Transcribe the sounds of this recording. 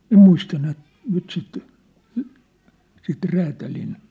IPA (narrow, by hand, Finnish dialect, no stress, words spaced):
ĕm muistɑ nyt nyt sit sit ræːtælin